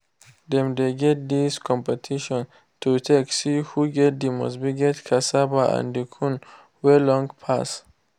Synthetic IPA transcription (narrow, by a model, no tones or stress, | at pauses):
ðɛ̃md̪eɡɛt̚d̪iskʰɔ̃mpɛtʰiʃɔ̃n | tʰutʰeksihuɡɛt̚d̪imɔ̰s̬biɡɛtkʰasabaã̰ndikʰũn | wɛlɔ̃ŋpʰas